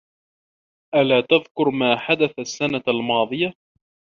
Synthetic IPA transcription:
ʔalaːt̪aðkʊɾmaːħad̪aθasːanaalmɑːðˤɨja

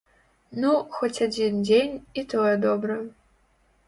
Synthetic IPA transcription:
nuxot͡sʲad͡zʲindʲenʲit̪ojɛd̪obɾɐ

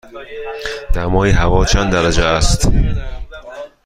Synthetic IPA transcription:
d̪̥æmɒːiɦævɒːt͡ʃʰænd̪d̪æɾæd͡ʒeæst̪

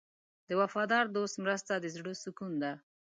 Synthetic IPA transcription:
d̪əwafɑd̪ɑɾd̪ost̪mɾəst̪ad̪əzɽəsʊkund̪a

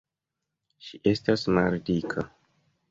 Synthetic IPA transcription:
ʃiʔe̞stasmaldikʰa

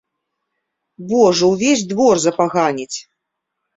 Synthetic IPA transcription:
bɔʐɐwvʲesʲd̪vɔrzɐpaɣanʲit͡sʲ

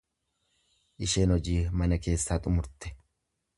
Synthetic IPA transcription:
ʔɪʃe̞ːnɔd͡ʒiːmɐnɐke̞ːsːaːt̪ʼʊmʊɾt̪ɛ̥

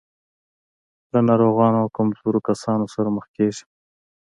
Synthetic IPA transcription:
lanɑɾoɣɑnoakamzoɾokasɑnosaɾaməxkeʒi̥

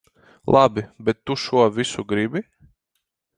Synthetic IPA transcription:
lˠʔabʲibɛt̪ːuʃuɔvʲisuɡɾibʲi

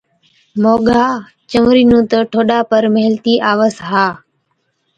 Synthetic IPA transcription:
moːɠaː | t͡ʃəmɾiːnũːt̪əʈʰoːɗaːpəɾmeɦɪlt̪iːʔaːʋəsɦaː

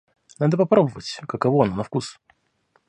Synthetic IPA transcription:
nad̪əpɐpɾobəvətʲkəkɐvoɐnonɐfkus

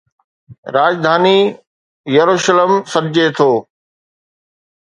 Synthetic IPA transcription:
ɾaːd͡ʑd̪ʱaːni | jɐɾuːʃələmsɐɾd͡ʑet̪ʰoː

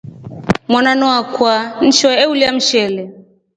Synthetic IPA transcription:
mwananɔakwan̩t͡ʃɔɛuliam̩ʃɛlɛ

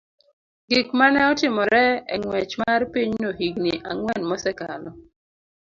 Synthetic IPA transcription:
ɡikmanɛɔtɪmɔɾɛɛ̰ŋwɛt͡ʃmarpiɲnoɦiɡnɪʔaŋwɛnmɔsɛkalɔ

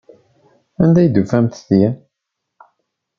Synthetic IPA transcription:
ænd̪æjd̪ufæmt̪θijæ

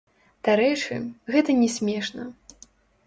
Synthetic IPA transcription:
d̪̥aɾɛjt͡ʂɨ̰ɣɛt̪ɐnʲɛsʲmʲɛʂnɐ

